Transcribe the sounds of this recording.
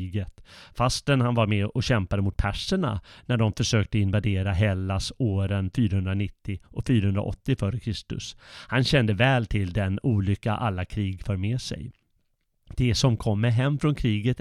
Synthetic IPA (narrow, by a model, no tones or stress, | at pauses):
ɡət̪fast̪ənhanvaɾmɛɔɕɛmpad̪əmʊt̪̚pʰæʂəɳa̰næɖɔmfœʂøːk̚t̪əɪnvad̪eːɾaɦɛlːasoːɾənfyːɾahɵnd̪ɾanɪt̪ːɪʔɔkfyːɾahɵnd̪ɾaʔɔ̰t̪ːɪfœːɾəkʰɾɪst̪ɵ̰shanɕɛnd̪əvɛːlt̪ʰɪld̪ɛnuːlʏkːa̰ʔalːakʰɾiːɡfœːɾmɛsɛ̰j | d̪̥ɛsɔmkʰɔmːəɾɦɛmːfɾɔnkʰɾiːɡət̪